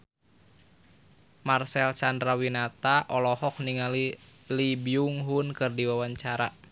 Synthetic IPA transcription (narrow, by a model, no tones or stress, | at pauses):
marsɛlsandɾawinat̪aʔɔlɔhɔk̚niŋalilibiuŋɦunkɨrdiwawaɲt͡ʃaɾa